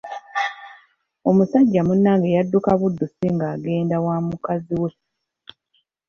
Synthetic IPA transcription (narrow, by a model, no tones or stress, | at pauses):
o̞musaɟːamunːaŋɡejadːukaβudːusiŋɡaːɡe̞ːndawaːmukaziwe